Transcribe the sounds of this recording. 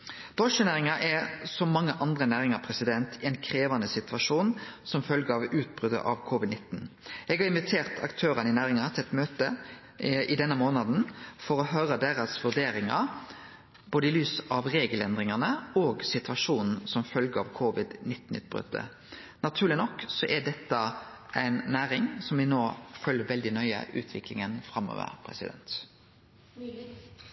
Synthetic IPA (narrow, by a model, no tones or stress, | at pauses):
d̪̥ɔʂənæːʁɪŋɑʔɛsɔmːɑŋːəʔɑnd̪ɾənæːʁɪŋɑpʰɾɛsɪd̪ɛnt̪ʰɛnkʰʁeːʋɑnd̪əsɪt̪ʋɑʂuːnsɔmfœlɡəɑʋʉːt̪̚bʁʉd̪ə̰ʔɑ̰ʋkʰʊʋɪd̪nɪt̪ːnɛɡhɑɾɪnʋɪt̪ʰeːʁt̪ʰɑ̰kt̪ʰøːɾɑnəɪnæːʁɪŋɑt̪ʰɪlɛt̪møːt̪ə | ɪd̪ɛnːəmoːnɑd̪n̩fɔʁɔɦœːɾəd̪æːʁɑsʋʉd̪eːɾɪŋɑ̰ | boːd̪əɪlyːsɑʋʁeːɡəlɛnd̪ʁɪŋɑnəoːɡsɪt̪ʰʋɑʂuːnn̩sɔmfœlɡəɑ̰ʋkʰʊʋɪd̪nɪt̪ːn̩ʉ̰ːt̪̚b̥ʁʉ̰ːt̪ːə̰ | nɑt̪ʰʉːʁlɪnɔkːsɔʔɛd̪ɛt̪ːɑ | ʔæɪnːæːɾɪŋsɔmʋɪnoːfœlːəʋɛld̪ɪnœʏə̰ʔʉ̰ːt̪ʰʋɪklɪŋənfɾɑmːo̰ːʋə̰ʁpʰʁɛ̰sɪ̰d̪ɛ̰nt̪